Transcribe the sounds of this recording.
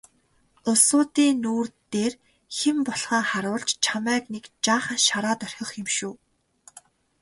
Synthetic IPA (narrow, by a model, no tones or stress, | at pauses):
ʊsʊːt̪iːnuːrt̪eːr | xempɔɮχə̆ːŋχaɾʊːɮt͡ɕt͡ɕʰamæːknekt͡ɕaːχə̆nʃaɾaːt̪œr̥ʲxʲɞ̆χxemʃuː